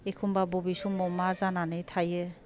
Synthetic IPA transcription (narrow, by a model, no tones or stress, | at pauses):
ekʰumbabɔbisɔmɔmazananɯjtʰajɛ